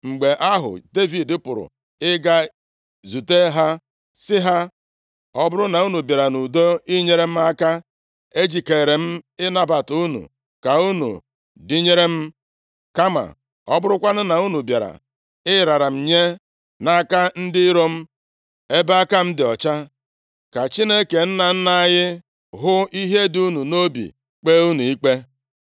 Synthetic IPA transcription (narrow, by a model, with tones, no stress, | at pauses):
ŋ͡m̩˨ɡ͡be˨ʔa˦ɦʊ̰˨de˦vi˨dɪ˦pʊ˨ɾʊ̰˨ | ɪ˦ɡa˦ | zu˨te˦ɦa˦ | sɪ˦ɦa˦ | ɔ˦bʊ˦ɾʊ˦na˨u˦nu˨bja˨ɾa˨nu˨do˦ɪ˦ɲe˦ɾe˦m̩˦a˦ka˦ | e˦d͡ʒi˨ke˨ɾe˨m̩˦ɪ˦na˦ba˨tu˦nṵ˨ | ka˨u˦nṵ˨ | dɪ˦ɲe˦ɾe˦m̩˦ | ka˦ma̰˨ | ɔ˦bʊ˦ɾʊ˦kʷa˦nʊ˦na˨u˦nu˨bja˨ɾa̰˨ | ɪ˦˨ɾa˨ɾa˨m̩˨ɲe˦ | na˦ka˦n̩˦dɪ˦ɾo˦m̩˦ | e˦ba˦ka˦m̩˦dɪ˨ɔ˨t͡ʃa˦ | ka˨t͡ʃi˦ne˦ke˨n̩˦na˨n̩˦na˦ɣɪ˦ | ɦʊ˦i˦ɦe˦du˦nu˨no˦bḭ˨ | k͡peː˦u˦nu˨i˦k͡pe˦